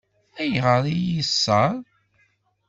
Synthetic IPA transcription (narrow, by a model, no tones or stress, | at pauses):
æjʁəɾˤijisːɑɾˤ